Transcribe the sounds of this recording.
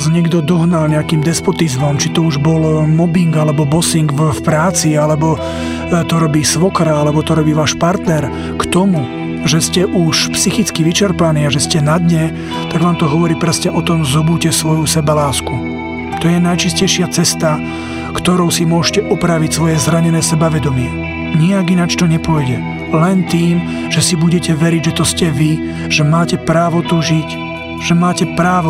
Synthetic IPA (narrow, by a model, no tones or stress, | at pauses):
zɲɛɡd̪ɔd̪ɔɦnalɲɛakiːmd̪ɛspɔt̪izmɔmt͡ʃit̪ɔuʒbɔlmɔbiŋɡalɛbɔbɔsiŋɡfpɾaːt͡sialɛbɔ | t̪ɔɾɔbiːsʋɔkɾaalɛbɔt̪ɔɾɔbiːʋaːʃpaɾt̪nɛɾ | kt̪ɔmu | ʒɛscɛʔuʃpsixit͡skiʋit͡ʃɛɾpaniːaʒɛscɛnad̪ɲɛ | t̪aɡʋaːmt̪ɔɦɔʋɔɾiːpɾɛsɲɛʔɔt̪ɔmzɔbuːcɛsʋɔjusɛbɛlaːsku | t̪ɔjɛnajt͡ʃiscɛjʃɪat͡sɛst̪a | kt̪ɔɾɔʊsimʊɔʒcɛʔɔpɾaʋicsʋɔjɛzɾaɲɛnɛːsɛbaʋɛd̪ɔmɪɛ | ɲiaɡinat͡ʃt̪ɔɲɛpɔjɟɛ | lɛnt̪iːm | ʒ̥ɛsibuɟɛcɛʋɛɾiɟʒɛt̪ɔscɛʋi | ʒ̥ɛmaːcɛpɾaːʋɔt̪ɔʒic | ʒ̥ɛmaːcɛpɾaːʋɔ